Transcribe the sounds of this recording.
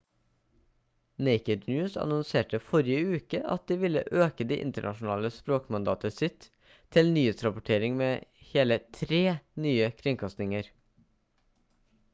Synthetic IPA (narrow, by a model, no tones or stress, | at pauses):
neɪkəd̪njʉːsɑ̰nɔnseːʈəfɔɾɪəʉːkəʔɑ̰t̪̚d̪iːʋɪlə̰ʔøːkəd̪ḭːʔɪ̰nt̪əɳʔɑ̰ʃn̩ɑ̰ːləspɾoːkmɑnd̪ɑːt̪əsɪt̪ʰ | ɪlnyːheːt̪sɾɑpʊʈʰeːɾɪŋmeːheːlət̪ʰɾeːnyːəkʰɾɪŋkʰɑst̪nɪŋəɾ